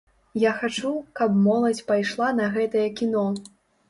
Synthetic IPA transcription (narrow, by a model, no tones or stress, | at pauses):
jaxat͡ʂukɐpmɔlˠɐt͡sʲpajʂlˠanɐɣɛt̪ɐjɐkʲinɔ